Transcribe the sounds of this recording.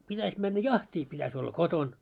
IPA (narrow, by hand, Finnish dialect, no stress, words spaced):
pitæsʲ mænːæ jɑhtʲiː pitæsʲ olːɑ koton